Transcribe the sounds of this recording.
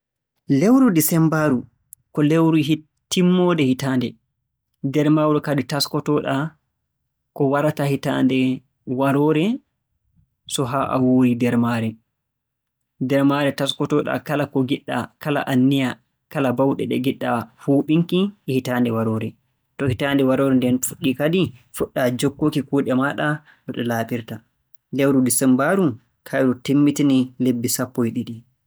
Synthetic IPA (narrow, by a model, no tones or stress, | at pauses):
lewɾudisɛmbaɾu | kɔlewɾui | timːɔdɛhitandɛ | dɛɾmawɾukaditaskɔtɔɗa | kɔwaɾatahita̰ːndɛ | waɾɔɾɛ | sɔɦaʔa̰woɾidɛɾmaɾɛ | dɛɾmaɾɛtaskɔtɔɗa̰kalakɔɡiɗːa̰kala̰ʔanːija | kalabawɗɛ̰ɗɛ̰ɡiɗːahuːɓiŋkihitandɛwaɾɔːɾɛ | tɔhitandɛwaɾɔɾɛndɛnfuɗːikadifuɗːad͡ʒokːokikuːɗɛmaɗa | ɗɔɗɛlaːɓiɾta | lewɾudisɛmbaɾu | kʰajɗɔtemːitinilebːisapːɔjɗiɗi